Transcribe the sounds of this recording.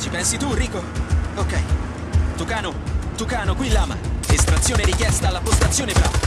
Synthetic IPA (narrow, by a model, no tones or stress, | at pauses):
t͡ʃipɛnsit̪uriːkookɛj | t̪ukaːnot̪ukaːnokwilːaːma̰est̪ɾat̪sːjoːneɾikjɛst̪alːapːost̪at̪sːjoːnebɾa̰